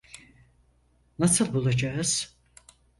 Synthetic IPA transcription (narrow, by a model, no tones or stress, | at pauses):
nasɯlˠbulˠad͡ʒaːz̥